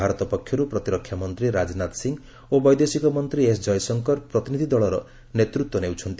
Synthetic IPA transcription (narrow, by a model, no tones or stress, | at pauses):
aɾɔt̪ɔpɔkʰːjɔɾupɾɔt̪iɾɔkʰːjamɔnt̪ɾiɾad͡ʒnat̪siŋ | obɔjd̪esikɔmɔnt̪ɾiesd͡ʒɔjsɔŋkɔɾpɾɔt̪inid̪ʱid̪ɔɭɔɾɔ | net̪ɾut̪wɔnewt͡ʃʰɔnt̪i